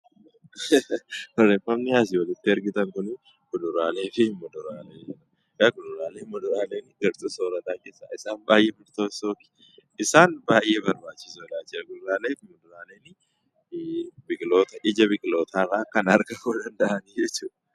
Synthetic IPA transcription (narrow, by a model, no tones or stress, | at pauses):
ɔrːeːfɐmnɪhaːs̬ɪwɐlɪt̪ːɪɐɾɡɪt̪ɐŋkʊnɪ | kʊd̪ʊɾaːle̞ːfɪmːɔd̪ʊɾaːleːd͡ʒɪɾɐ | kɐɡʊd̪ʊɾaːleːmʊd̪ʊɾaːle̞ːnɪɡɐɾt̪uːsoːɾɐt̪aːkʼeːsa̰ːɪsaːnbaːjʔeːbɪɾt̪oːsoːkɪ̥ | ɪsaːnbaːjʔe̞ːbɐɾbaːt͡ʃːɪsoɪlaːt͡ʃːɪsɐɡʊd̪ʊɾaːleːɪmːɔd̪ʊɾaːleːnɪ | bɪɡlo̞ːt̪ɐʔɪd͡ʒɐbɪɡlo̞ːt̪ʰaːraːkɐnɐɾɡɐfoːd̪ɐnd̪ɐʔɐnid͡ʒɛt͡ʃːuːᶑɐ